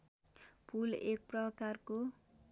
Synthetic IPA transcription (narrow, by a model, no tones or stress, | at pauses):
pʰulek̚prʌkarko